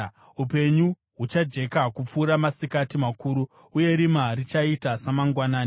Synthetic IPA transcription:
upe̞ɲu | ɦut͡ʃad͡ʒe̞kakup͡fuːɾamasikatimakuːɾu | uje̞ɾimarit͡ʃaitasamaŋɡwanaːni

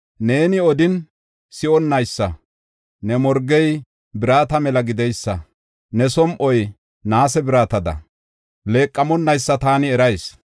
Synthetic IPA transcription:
ne̞ːnɪɔd̪ɪn | sɪɔnːɐjsːɐ | nɛmɔɾɡɛj | bɪɾaːt̪ɐmɛlɐɡɪd̪ɛjsːɐ | nɛsɔmʔɔj | naːsɛbɪɾaːt̪ɐd̪ɐ̰ | le̞ːkʼːɐmɔnːɐjsːɐt̪aːnɪɛɾɐjs

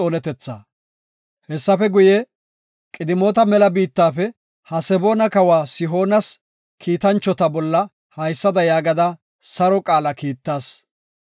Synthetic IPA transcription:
oːnɛt̪ɛt͡sːa̰ː | hɛsːɐfɛɡʊje | kʼɪd̪ɪmo̞ːt̪ɐmɛlɐbiːt̪ːaːfɛ | hɐsɛbo̞ːnɐkɐwaːsɪɦo̞ːnɐs | kʰiːt̪ɐnt͡ʃːɔt̪ɐbɔlːɐ | hɐjsːɐd̪ɐjaːɡɐd̪ɐ | sɐɾɔkʼaːlɐkiːt̪ːaːs

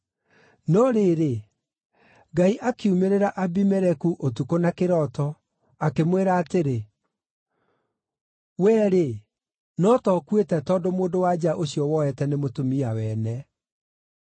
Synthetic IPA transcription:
nɔɾeɾe | ɡaiʔakeumeɾeɾaʔabimɛɾɛkuʔotukonakeɾɔtɔ | akemweɾaːteɾe | wɛːɾe | nɔtɔkwetɛtɔːdomoːndowad͡ʑaʔoɕiɔwɔɛtɛnemotomiawɛːnɛ

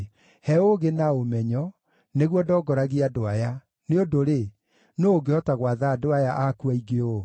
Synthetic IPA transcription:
hɛoɣenaomɛɲɔ | neɣwɔdɔːɡɔɾaɣeadoaja | neodoɾe | noːɡeɔtaɣwaðaːdoajaʔakuaiɡeo

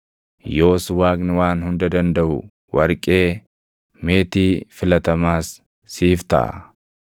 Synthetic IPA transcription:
jo̞ːswaːknɪwaːnhʊnd̪ɐd̪ɐnd̪ɐʔʊ̰ | wɐɾkʼe̞ː | meːt̪iːfɪlɐt̪ɐmaːsː | iːft̪ɐ̰ʔɐ̰

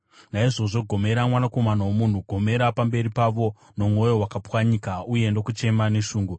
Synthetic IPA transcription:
naiʐo̞ʐo̞ɡʱo̞me̞ɾamwanako̞manawomun̤uɡʱo̞me̞ɾapambe̞ɾipaʋo̞ | no̞mwo̞jo̞wakapwaɲikauje̞ndo̞kut͡ʃe̞mane̞ʃuːŋɡu

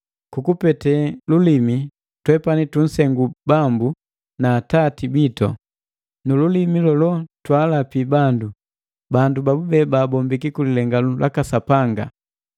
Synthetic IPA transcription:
kukupɛtɛlulimi | twɛpanitun̩sɛŋɡubambu | naːtatibitɔ | nululimilɔlɔtwaːlapibandu | bandubabubɛbaːbɔmbikikulilɛŋɡalulʔa̰kasapaŋɡa̰

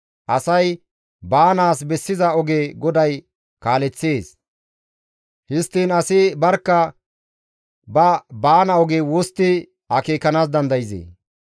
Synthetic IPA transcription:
ʔɐsɐj | baːnaːsbɛsːɪzɐɔɡeːɡɔd̪ɐj | kaːlɛt͡sːe̞ːs | hɪst̪ːiːnɐsɪbɐɾkːɐ | bɐbaːnɐɔɡeːwost̪ːɪ | ɐkeːkːɐnaːs̬d̪ɐnd̪ɐjɪzḛː

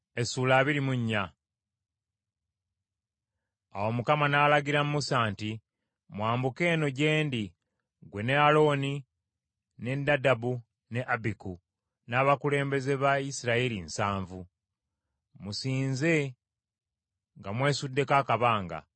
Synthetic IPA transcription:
e̞suːlaːβiɾimuɲːa | a̰wo̞mukamanaːlaɡiɾammusaːnti | mwaːmbuke̞ːno̞ɟe̞ːndi | ɡwe̞ne̞alo̞ːni | ne̞dadabu | ne̞ʔabiku | naːβakule̞ːmbe̞ze̞βaisiɾaelinsaːɱvu | musiːnze̞ | ŋɡamwe̞ːsudːe̞kaːkaβaːŋɡa̰

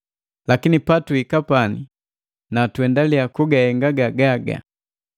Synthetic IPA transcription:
lakinipatuikapani | natwɛndaliakuɡahɛŋɡaɡaɡaɡa̰

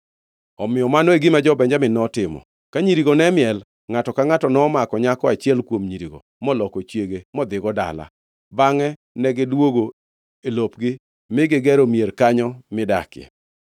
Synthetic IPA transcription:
ɔmɪjɔmanɔeɡɪmad͡ʒɔbɛɲd͡ʒamɪnɔtɪmɔ̰ | kaɲiɾiɡonɛmɪɛl | ŋatɔkaŋatɔnɔːmakɔɲakɔat͡ʃɪɛlkwomɲiɾiɡo̰ | mɔlɔkɔt͡ʃjeɡemɔd̪ɪɡɔda̰la̰ | baŋɛ | nɛɡɪdwoɡo | elopɡɪ | mɪɡɪɡɛɾomjerkaɲɔmɪda̰kɪɛ̰

